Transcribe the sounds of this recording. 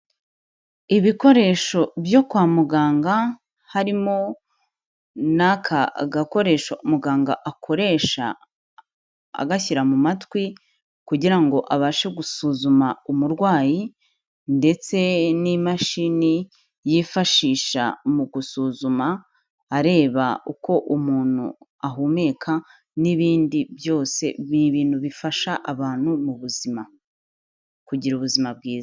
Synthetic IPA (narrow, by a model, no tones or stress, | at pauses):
iβiko̞ɾe̞ʃo̞bjo̞kwaːmuɡaːŋɡa | haɾimo̞ | nakʰa̰ɡako̞ɾe̞ʃoumuɡaːŋɡaʔakʰo̞ɾe̞ʃa̰ | a̰ɡaçiɾamumatwi | kuɟiɾaŋɡo̞ʔaβaʃe̞ɡusuːzumaumuɾɡwaːji | nde̞t͡se̞nimaʃini | jifaʃiːʃa̰muɡusuzumaː | ɾe̞ːβauko̞ʔumuːn̥ṵaɦuːme̞kʰa | niβiːndiβjo̞ːse̞βiβiːnhuβifaʃaʔaβaːn̥humuβuzima | kuɟiɾuːβuzimabɡiːza